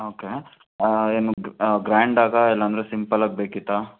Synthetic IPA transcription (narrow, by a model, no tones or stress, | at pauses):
oːke | eːnuɡɾaːɳɖaːɡɐɛlːɐnd̪ɐɾesimpɐlaːɡ̚beːkit̪ːa